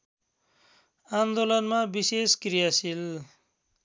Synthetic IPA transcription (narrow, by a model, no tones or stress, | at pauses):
and̪olʌnmabiseskrijasil